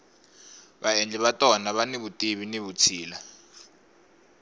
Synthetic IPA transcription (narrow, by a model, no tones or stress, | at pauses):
βaɛnd͡ɮʱɛβatʼɔnaβaneβutʼiβineβut͡sʰiːla